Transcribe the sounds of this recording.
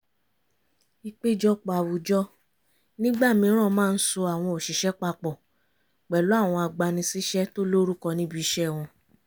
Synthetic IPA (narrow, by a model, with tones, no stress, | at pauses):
i˧k͡pe˦d͡ʒɔ˦˧k͡pa˨wu˨d͡ʒɔ˦ | nĩ˦ɡ͡ba˦˨mĩ˧˦ɾ̃ã˦˨˧mãː˦˧n̩˦so˧a˨w̃ɔ̃˧o˨ʃi˨ʃɛ˨˦k͡pa˧k͡pɔ˨ | k͡pɛ˨lu˨˦a˦˨w̃ɔ̃˧a˧ɡ͡ba˧nĩ˧si˦ʃɛ˦to˦lo˦ɾu˦kɔ˧nĩ˦bi˦i˧ʃɛ˦˨w̃ɔ̃˧